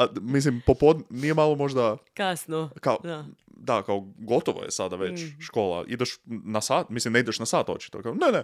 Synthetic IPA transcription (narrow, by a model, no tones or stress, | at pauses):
amis̬limpopod̪nnijemalˠomo̞ʒd̪akasnokao | d̪akaoɡo̞t̪oʋo̰je̞̰sad̪aʋet͡ʃʃko̞ːlˠa̰ʔḭd̪eʃnasaːt̪mislimneid̪eʃnasaːt̪o̞̰t͡ʃi̥t̪okaonene